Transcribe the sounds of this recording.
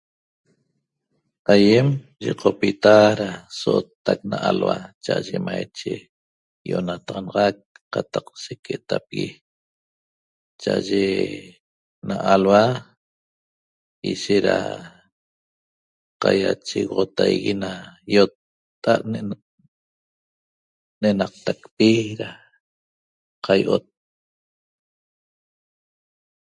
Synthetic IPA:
ajem | ʒiqʰopit̪aɾasoʔot̪ːak̚naʔalwat͡ʃaʔaʒemajt͡ʃe | joʔnat̪ʁɑnɑʁɑk̚qːɑt̪ɑqseket̪apɣi | t͡ʃaʔaʒe | naʔalwa | iʃeɾa̰ | qajat͡ʃiɣʁot̪ajɣinajot̪ː | aʔn | nenɑq̚t̪akpiɾa | qʰajʔot̪̚

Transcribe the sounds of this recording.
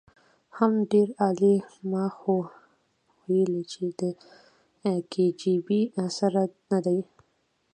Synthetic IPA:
hamɖeɾɑlemɑxo | wajəlit͡ʃʰed̪ə | ked͡ʒibiasaɾanad̪aj

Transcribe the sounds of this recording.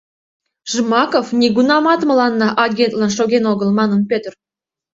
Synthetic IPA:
ʒ̥əmɑkofnʲiɡunɑmɑt̪mə̆lɑnːɑʔɑɡʲent̪lɑnʃoɡʲenoɡəlmɑnə̆npʲøt̪r

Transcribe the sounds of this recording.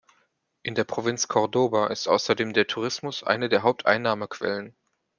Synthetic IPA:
ʔɪndeːɐpʁ̥ovɪnt͡skʰɔʁdoːvaʔɪstʔa̰ʊsɐdeːmdeːɐtʰuʁ̞ɪsmʊsʔa̰ɪnədeːɐɦaʊp̚tʔa̰ɪnːaːməkv̥ɛ̰lən

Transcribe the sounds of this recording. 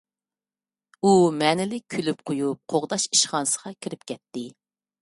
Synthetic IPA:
umɛːnɪlɪk̚ʲkʲʰylyp̚qʰojup̚qʰoʁd̪ɑʃi̥ʃχɑnsə̥ʁɑkʲʰiɾɪpkʲʰɛt̪ːɪ

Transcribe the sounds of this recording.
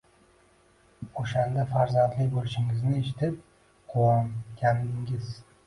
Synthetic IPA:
oʃand̪afaɾzand̪lɪkʲbolɪʃɪŋɪznɪe̞ʃɪt̪ʰɪp̚ | qʰowɒmkʲʰand̪ɪŋɪz

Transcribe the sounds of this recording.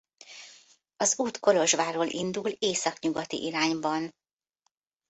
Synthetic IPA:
ɒzuːt̪ko̞lo̞ʒʋaːɾoːlʔḭnd̪uleːsɒkɲuɡɒt̪ḭʔiɾaːɲbɒn

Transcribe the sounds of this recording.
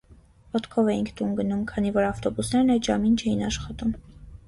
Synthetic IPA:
vɔt̪kʰɔvɛjiŋkʰt̪unɡənumkʰɑnivɔɾɑft̪ɔbusnɛɾnɛʒɑmint͡ʃʰɛjinɑʃχɑt̪um

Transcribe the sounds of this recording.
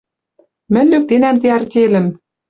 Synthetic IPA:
mɘ̆nʲlyk̚t̪enæmt̪eɑrt̪ʲelɘ̆m

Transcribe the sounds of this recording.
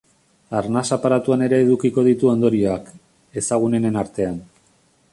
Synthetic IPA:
aɾnasapaɾat̪uane̞ɾe̞ːðukiko̞ð̞it̪uo̞nd̪o̞ɾioak | e̞saɣ̞une̞ne̞naɾt̪e̞an

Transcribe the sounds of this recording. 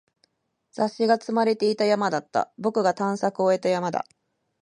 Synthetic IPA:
z̥aɕːiɡat͡sɨmaɾe̞t̪e̞it̪ajamad̪at̪ːa̰bo̞kɯ̟ɡat̪ãɰ̃sakɯ̟o̞e̞t̪ajamad̪a̰

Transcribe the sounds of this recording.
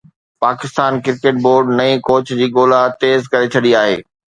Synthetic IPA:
paːkɪst̪aːnkɪɾkeːʈ̚boːɾɖnɐĩkoːt͡ɕd͡ʑiːɠoːlat̪eːzkɐɾet͡ɕʰɐɗiaːɦḛː

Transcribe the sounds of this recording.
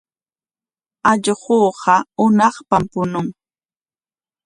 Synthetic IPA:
aʎɢoːɢɑʊnɑχpampʊnʊŋ

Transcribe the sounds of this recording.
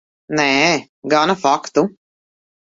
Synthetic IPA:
nɛ | ɡanɐfakt̪u

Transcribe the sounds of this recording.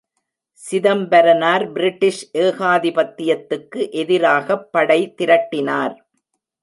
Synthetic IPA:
sɪðɐmbɐɾɐnaːɾbɪɾɪʈːɪʂʔeːɣaːðɪpɐt̪ːɪjɐt̪ːɯkːɯʔɛðɪɾaːɣɐpːɐɽɐɪt̪ɪɾɐʈːɪnaːɾ

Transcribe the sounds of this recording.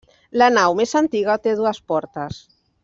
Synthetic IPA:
lanawmesant̪iɣat̪eðuaspɔɾt̪as

